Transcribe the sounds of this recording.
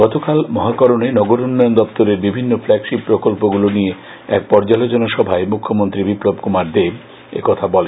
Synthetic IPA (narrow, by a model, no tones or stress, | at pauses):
ɡ̥ɔt̪okalmɔɦakɔɾonenɔɡoɾunːɔjond̪ɔpt̪oɾeɾbibʱinːoflɛɡʃipːɾokolpoɡulonije | ɛk̚pɔɾd͡ʑalod͡ʑonoʃɔbʱaemukʰːomont̪ɾibiplobkumaɾd̪eb | ḛkɔt̪ʰabɔlen